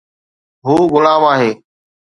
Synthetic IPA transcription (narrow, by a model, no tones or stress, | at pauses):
ɦuːɣʊlaːmaːɦeː